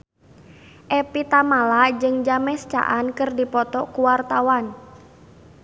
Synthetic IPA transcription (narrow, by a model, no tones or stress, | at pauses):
ʔɛpit̪amalad͡ʒɨŋd͡ʒamɛst͡ʃa̰ʔankɨrdipɔt̪ɔkuwart̪awan